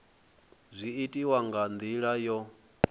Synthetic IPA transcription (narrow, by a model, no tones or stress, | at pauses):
zʷiitʼiwaŋɡand̪iɺajɔ